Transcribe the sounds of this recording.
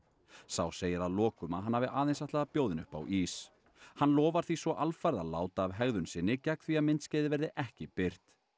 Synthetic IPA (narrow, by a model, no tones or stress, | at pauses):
sawseːjɪɾaðlɔːkʏmaɦanːavɪʔaːðejnsaht̪aːðapjoːwðɪnʏ̰hpa̰wʔiːs | hanlɔːvaɾ̥θvisvɔʔalfajɾðala̰ːwt̪aːvɦɛɣðʏnsɪnːɪcɛk̚θviaðmɪnt̪scɛːðɪvɛɾðɪʔɛhcɪpɪr̥t̪